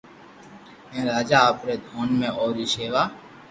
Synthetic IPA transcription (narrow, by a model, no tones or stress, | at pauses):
ẽːɾaːd͡ʒaːaːpɾeːd̪ʱoːnmẽːʔoːɾiʃeːʋaː